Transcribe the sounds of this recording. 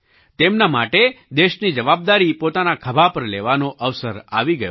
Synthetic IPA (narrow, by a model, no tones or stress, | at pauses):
t̪emnamaʈed̪eʃnid͡ʒəʋab̚d̪aɾipot̪anakʰəbʱapəɾleʋanoʔəʋsəɾa̰ʋiɡəjo